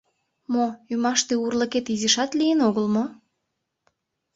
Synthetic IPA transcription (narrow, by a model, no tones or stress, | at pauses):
moymɑʃt̪eurləket̪izəʃɑt̪lijənoɣəlmo